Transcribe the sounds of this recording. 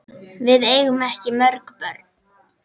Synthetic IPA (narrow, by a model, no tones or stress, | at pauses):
vɪðeːjɣʏmɛhcɪmœɾkpœɾt̪